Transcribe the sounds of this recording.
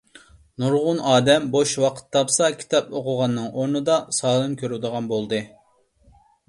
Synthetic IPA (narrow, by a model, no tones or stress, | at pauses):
nuɾʁʊnɑːd̪ɛmboʃwɑqʰə̥t̪ʰːɑpsɑkʲʰi̥t̪ʰɑpoqʰʊʁɑnːɨŋʔoɾnɨd̪ɑsɑːlˠɨnkʲʰøɾud̪əʁɑnbolˠd̪ɨ